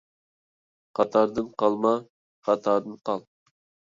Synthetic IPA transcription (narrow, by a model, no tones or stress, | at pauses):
qʰɑt̪ʰɑɾd̪ɨnqɑlˠmɑ | χɑt̪ʰɑːɾd̪ɨnqʰɑlˠ